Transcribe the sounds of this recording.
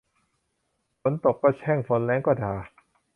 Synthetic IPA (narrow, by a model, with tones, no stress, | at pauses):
fʰo˨˦nt̪o˨˩k̚kɔː˥˩t͡ɕʰɛː˥˩ŋfo˨˦nlɛː˦˥ŋkɔː˥˩dʰaː˨˧